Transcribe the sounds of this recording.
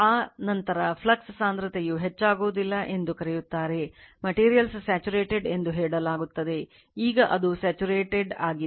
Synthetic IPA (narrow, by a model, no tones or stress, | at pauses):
aːnɐnt̪ɐɾɐpʰlɐkssaːnd̪ɾɐt̪ejuɦet͡ʃːaːɡoːd̪ilːɐʔe̞nd̪ukɐɾɛjut̪ːaːɾe̞mɐʈiːɾijɐlssaːt͡ʃuɾeːʈeɖe̞nd̪uɦɛːɽɐlaːɡut̪ːɐd̪e̞ | iːɡɐʔɐd̪usaːt͡ʃuɾeːʈeɖaːɡi